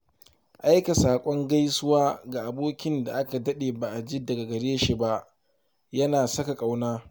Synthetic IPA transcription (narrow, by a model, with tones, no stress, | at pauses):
ʔa˦jka˨saː˨kʷʼɔ˦ŋɡa˦jsʊ˦waː˦ɡa˨ʔa˨boː˦kʲɪ˦nda˨ʔa˦ka˨dɐ˦ɗeː˨baː˨ʔa˨d͡ʒiː˦dɐ˨ɡa˨ɡɐ˨ɽeː˦ʃi˨ba˦ʔ | jɐ˦naː˨sɐ˦ka˨kʼa˨wnaː˦